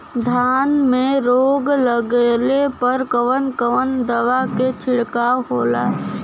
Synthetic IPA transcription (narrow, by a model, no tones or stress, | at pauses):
d̪ʱaːnmẽɾoːɡləɡlepəɾkəʋənkəʋənd̪əʋaket͡ʃʰɪɽkaɦoːla̰ː